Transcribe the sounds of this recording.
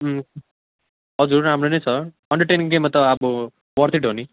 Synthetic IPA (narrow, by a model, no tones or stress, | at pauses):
ɦ | ɦʌd͡zuɾɾamɾonejsʰʌ | ʌɳɖʌɾʈenĩŋɡemːʌt̪ʌabʌ | wʌɾt̪ʰiʈɦoni